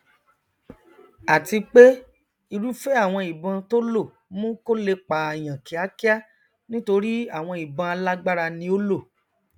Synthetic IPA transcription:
a˨ti˧k͡pe˦ | i˧ɾu˦fe˦a˦˨w̃ɔ̃˧i˨bɔ̃˧to˦lo˦˨ | mũ˦ko˦le˧k͡pa˨e˨j̃ã˨ki˨a˦ki˦a˦ | nĩ˦to˧ɾi˦a˦˨w̃ɔ̃˧i˨bã˧a˧la˦ɡ͡ba˦ɾa˧nĩ˧˦o˦lo˦˨

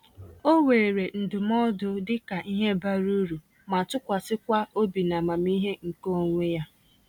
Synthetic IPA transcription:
o˦weː˨ɾe˨n̩˨dʊ˨m˦ɔ˦dʊ˦dɪ˦ka˨ʔi˦ɦe˦ba˦ɾu˦ɾu˨ | ma˨tʊ˦kʷa˨sɪ˦kʷa˦o˦bi˨na˨ma˨mi˦ɦe˦ŋ̩˨ko˦ŋʷe˦ja˦

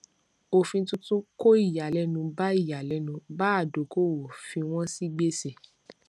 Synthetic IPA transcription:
o˨fĩ˧tũ˧˦tũ˦ko˦i˦˨ja˨lɛ˧˦nũ˧ba˦i˦˨ja˨lɛ˨˦nũ˧ba˦a˦˨do˨˦ko˦˨wo˨fĩ˧w̃ɔ̃˦si˦ɡ͡be˦se˦˨

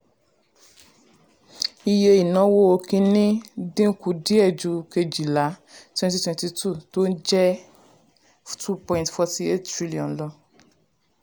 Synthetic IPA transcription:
i˦je˦ji˨nɔ̃˦wo˦wo˦kĩ˦nĩ˦dĩ˦ku˨di˦ɛ˨d͡ʒu˧ke˨d͡ʒi˨la˨˦twɛ̃˦nti˦twɛ̃˨nti˨tʰu˦˨to˦d͡ʒɛ˦ | tʰu˦pɔ̃˦ĩ˨ntfɔ˦ti˦e˦ttɾi˦li˨ɔ̃˨nlɔ˦

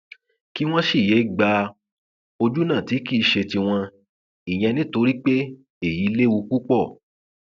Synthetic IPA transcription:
ki˦w̃ɔ̃˦ʃi˦˨je˨˦˨ɡ͡ba˧ | o˧d͡ʒu˦nã˦˨ti˨˦ki˦˨˧ʃe˧ti˧w̃ɔ̃˧ | i˨j̃ɛ̃˧nĩ˦to˧˦ɾi˦k͡pe˦ | e˦˨ji˨˦le˦wu˧ku˦k͡pɔ˦˨

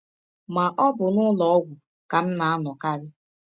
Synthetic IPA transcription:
ma˨ʔɔ˦bʊ˨nʊ˦lɔ˨ɔ˦ɡʷu˨ | ka˨m̩˦na˨a˦nɔ˨ka˦ɾɪ˦

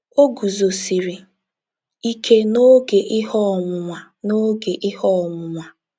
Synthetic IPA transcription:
o˦ɡu˨zo˨si˨ɾi˨ | i˦kʰe˦no˦ɡe˨ʔɪ˦hɔ˦˨mʊ˨ŋʷa˨ | no˦ɡe˨ʔɪ˦hɔ˦˨mʊ˨mʷa˨

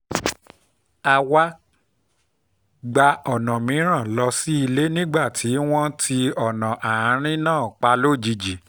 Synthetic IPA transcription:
a˧wa˦ | ɡ͡ba˧ɔ˨nã˨mĩ˨˦ɾ̃ã˦˨lɔ˧si˦i˧le˦nĩ˦ɡ͡ba˦˨tʰi˨˦w̃ɔ̃˦tʰi˧ɔ˦˨nã˨ʔa˨ã˨˦ɾ̃ĩ˦nãː˦˨k͡pa˧lo˦˨d͡ʒi˧d͡ʒi˨

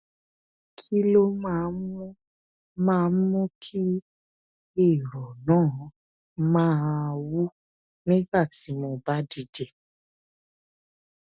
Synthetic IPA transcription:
kʰi˦lo˦m˦˨ũ˦ | mãː˦˨˦mũ˦kʰi˦ | e˦˨ɾɔ˨nãː˦˨ | mãː˦˧wu˦ | nĩ˦ba˦˨ti˨˦mo˧ba˦di˨˧de˦˨

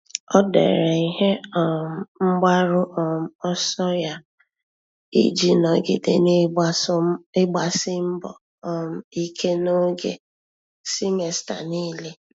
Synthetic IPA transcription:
ɔ˦dḛ˨ɾe˨i˨ɦe˦ɔ˨m̩˦m̩˦ɡ͡ba˦ɾʊ˦ʔɔ˨m̩˦ɔ˦sɔ˦ja˦ | ḭ˦d͡ʒi˦nɔ˨ɡɪ̰˨dḛ˨n˦sɪ˦ɡ͡ba˨sɪ˦m̩˦bɔ˨ | m̩˨i˦kʰe˦no˦ɡḛ˨ | si˦me˨sta̰˨niː˦le˦

